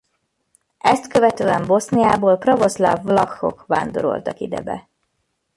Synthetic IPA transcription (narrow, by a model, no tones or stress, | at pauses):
ɛst̪køvɛt̪øːɛmbo̞snijaːboːlprɒvo̞sla̰vlɒxːo̞̰kʋaːnd̪o̞ɾo̞̰lt̪ɒkid̪ɛ̰bɛ̰